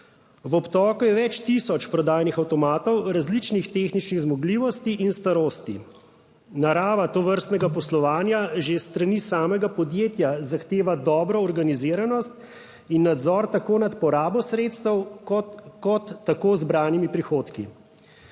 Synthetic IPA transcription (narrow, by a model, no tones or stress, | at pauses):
ʋɔpt̪ɔːkujɛʋɛt͡ʃt̪isɔt͡ʃpɾɔd̪aːjnixawt̪ɔmaːt̪ɔwɾazlit͡ʃnixt̪exnit͡ʃniɣzmɔɡliːʋɔst̪iʔinst̪aɾoːst̪i | naɾaːʋat̪ɔʋəɾst̪nɛɡapɔslɔʋaːnjaʒest̪ɾanisaːmɛɡapɔd̪jeːt̪jazaxt̪eːʋad̪ɔːbɾɔːɾɡaniziːɾanɔst̪ | inːad̪zɔːɾt̪akoːnat̪pɔɾaːbɔsɾeːt̪st̪əwɔkɔt̪ːakoːzbɾaːnimipɾixoːt̪kḭ